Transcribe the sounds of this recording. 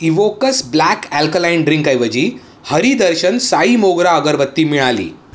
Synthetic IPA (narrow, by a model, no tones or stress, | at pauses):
iʋokəsblækælkəlajnɖɾiŋkəjʋəd͡ʑiː | həɾiːd̪əɾɕənsaimoɡɾaəɡəɾʋət̪ːiːmiɭalḭː